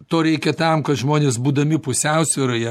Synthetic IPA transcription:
t̪oːɾʲɛɪkʲɛt̪ɐmkɐt̪ʒmoːnʲeːsbuːd̪ɐmʲɪpʊsʲɛʊsʲʋʲɪɾoːjɛ

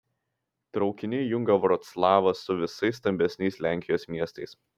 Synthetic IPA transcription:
t̪ɾɒʊkʲɪnʲɪjʊŋɡɐʋɾɔt̪slˠɑːʋɐsʊʋʲɪsɐɪs̬ːt̪ɐmʲbʲɛsʲnʲɛɪsʲlʲæˑŋʲkʲɪjoːsmʲiɛst̪ɐɪs

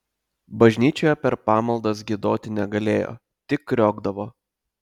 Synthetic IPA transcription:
bɐʒʲnʲiːt͡ʃʲoːjɛpʲɛɾpɑːmɐlˠd̪ɐs̬ɡʲɪd̪oːt̪ʲɪnʲɛɡɐlʲeːjo̰ː | t̪ʲɪkːɾʲoːɡd̪ɐʋoː

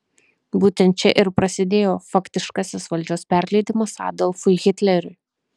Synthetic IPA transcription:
buːt̪ʲɛnt̪̚t͡ʃʲɛʔɪɾpɾɐsʲɪd̪ʲeːjoːfɐkt̪ʲɪʃkɑsʲɪsʋɐlʲd͡ʒʲoːspʲæɾʲlʲɛɪd̪ʲɪmɐsɑ̰ːd̪ɔlˠfʊɣʲɪt̪ʲlʲɛɾʲʊɪ

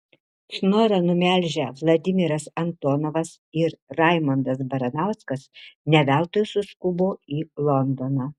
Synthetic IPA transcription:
ʃnoːɾɐnʊmʲæˑlʲʒʲɛʋlˠɐd̪ʲɪmʲɪɾɐsɐnt̪oːnoːʋɐs | ɪɾɾɑˑɪmɐnd̪ɐs̬bɐɾɐnɑˑʊskɐsnʲɛʋʲæˑlˠt̪oːjʊsʊskʊboːiːlˠɔnd̪onɑː

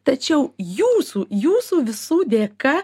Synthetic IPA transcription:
t̪ɐt͡ʃʲɛʊjuːsuːjuːsuːʋʲɪsuːd̪ʲeːkɐ

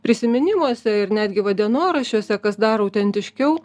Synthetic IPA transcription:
pʲɾʲɪsʲɪmʲɪnʲɪmuɔsʲɛɪɾnʲæːd̪ʲɡʲɪʋɐd̪ʲiɛnoːɾɐʃʲuːsʲɛkɐsd̪ɑːɾoʊt̪ʲɛnʲt̪ʲɪʃʲkʲɛʊ

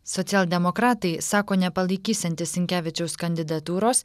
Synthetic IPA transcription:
sɔt̪sʲɛːlˠʲd̪ʲɛmɔkɾɑːt̪ɐɪsɑːkoːnʲɛpɐlˠɐɪkʲiːsʲɐnʲt̪ʲɪsʲɪŋʲkʲæːʋʲɪt͡ʃʲɛʊskɐnʲd̪ʲɪd̪ɐt̪uːɾoːs

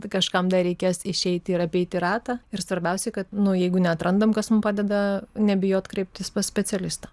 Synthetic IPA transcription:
kɐʃkɐmd̪ɐɾʲɛɪkʲeːsɪʃʲɛɪt̪ʲɪɾɐpʲɛɪt̪ʲɪɾɑːt̪ɑɪɾsʋɐɾʲbʲɛʊsʲɛɪkɐt̪nʊjɛɪɡʊnʲɛɐt̪ɾɐnd̪ɐmkɐsmʊmpɑːdʲɛd̪ɐnʲɛbʲɪjoːt̪kɾʲɛɪp̚ʲt̪ʲɪsʲpɐssʲpʲɛt͡ssʲɛlʲɪst̪ɐː

